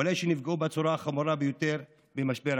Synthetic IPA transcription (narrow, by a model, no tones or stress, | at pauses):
olejʃenifɡeubat͡suɾaːχamuɾabejot̪e̞ɾ | bemaʃbeɾ